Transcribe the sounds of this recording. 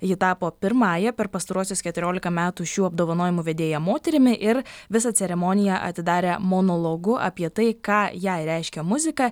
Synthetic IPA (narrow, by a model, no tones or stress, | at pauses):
jɪt̪ɑːpoːpʲɪɾmɑːjɛpʲɛɾpɐst̪ɐɾuɔsʲoːskʲɛt̪ʊɾʲoːlʲɪkɐmʲæːt̪uːʃʲuːɐb̚d̪oːʋɐnoːjɪmuːʋʲɛd̪ʲeːjɛmoːt̪ʲɛɾʲɪmʲɪʔɪɾʋʲɪsɐsʲɛɾʲɛmɔːnʲɪjɛʔɐ̰t̪ʲɪd̪ɑːɾʲeːmoːnoːlˠoːɡʊʔɐ̰pʲiɛt̪ɐɪkɑːjɛːɾʲɛˑɪʃʲkʲɛmʊzʲɪkɑ